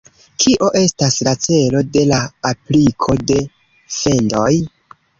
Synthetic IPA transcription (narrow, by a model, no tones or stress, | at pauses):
kʰiʔo̞ʔe̞staslat͡se̞lo̞de̞laːplikʰo̞de̞ | fe̞ndo̞j